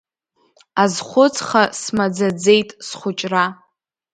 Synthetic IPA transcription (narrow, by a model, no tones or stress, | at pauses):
azχʷʊt͡sʰʼχasmad͡zad͡ze̞jtʼsχʷʊt͡ʃʼra